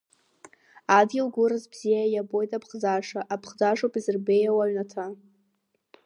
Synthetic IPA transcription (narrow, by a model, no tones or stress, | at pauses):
adɡʲɪlɡʷʊɾɨzbz̥ijajabo̞jtʼapʰχzaʂaʔapʰχd͡zaʂowpʼizɨrbejawaɥnatʰa